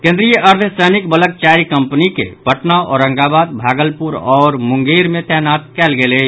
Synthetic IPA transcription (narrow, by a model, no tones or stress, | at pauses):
kẽnd̪ɾijəʔəɾt̪ʰsənikbələk̚t͡ʃaɾikəmpnikḛbəʈnaɔ̰ɾːəŋɡabaːd̪̚bʱaːɡəlpuɾɔːɾmʊŋɡeɾmẽt̪ɛɦnat̪̚kɛːlɡele